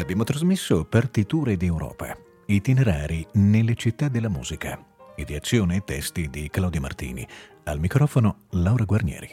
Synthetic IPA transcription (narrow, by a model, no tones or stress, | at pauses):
abjaːmot̪ɾazmesːopart̪it̪uːɾed̪iɛwɾɔ̰ːpa̰ | it̪ineɾaːɾinelːet͡ʃit̪ːad̪elːamṵːzika̰ed̪iat̪sːjoːneːt̪ːɛst̪id̪iklawd̪joma̰rt̪ḭːnḭ | almikɾɔːfonolawɾaɡwarnjɛ̰ːɾi